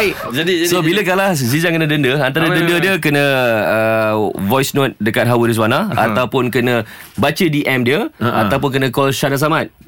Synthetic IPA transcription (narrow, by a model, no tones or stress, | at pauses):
d͡ʒadisobiləkalahzizaŋkənə̃dəndəant̪aɾədəndədiəkənə̃əvɔjsnot̪̚dəkat̪̚ɦawədis̬wanaa̰t̪awpʊnkənə̃bat͡ʃədiʔɛmdiəat̪awpʊnk̬ənə̃kɔlʃanas̬amat̪̚